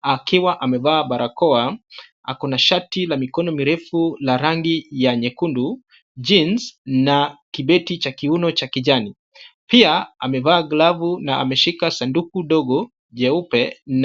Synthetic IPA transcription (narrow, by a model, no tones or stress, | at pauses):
akiwaʔamɛvaːɓaɾakɔa | akɔnaʃatilamikɔnɔmiɾɛfulaɾaŋɡijaɲɛkundu | d͡ʒinznakiɓɛtit͡ʃakiunɔt͡ʃakiʄani | piaamɛvaːɡlavunaa̰mɛʃikasandukuɗɔɡɔ | ʄɛupɛn